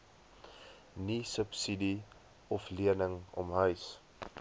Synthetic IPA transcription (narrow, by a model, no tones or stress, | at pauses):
nisəpsidi | ɔfliənəŋɔ̰mɦœɥs